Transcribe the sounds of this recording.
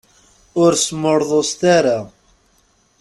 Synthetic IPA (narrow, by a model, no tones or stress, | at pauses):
ʊɾsməɾðˤost̪aɾa